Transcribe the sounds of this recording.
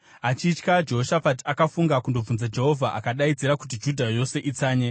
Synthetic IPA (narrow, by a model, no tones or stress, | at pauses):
at͡ʃit͡ʃkad͡ʒeɦoʃafatakafuŋɡakundob͡vunzad͡ʒe̞ɦo̞vʱaʔa̰kaɗaid͡ziɾakut̬id͡ʒudʱajo̞se̞ʔit͡saːɲe